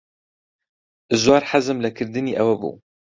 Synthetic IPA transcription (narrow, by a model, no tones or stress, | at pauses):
zwɑːɾħazɨmlɨkʰɨɾd̪ɨniːʔɛwɛbṵː